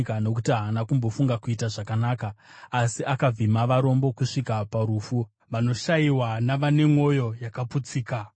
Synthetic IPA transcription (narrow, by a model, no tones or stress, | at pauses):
kano̞kutiɦaanakumbo̞fuŋɡakuitaʐakanaːkaːsiʔakab͡vimaʋaɾo̞mbo̞kuʂikapaɾuːfu | ʋano̞ʃaiwanaʋane̞mo̞jo̞jakaput͡siːka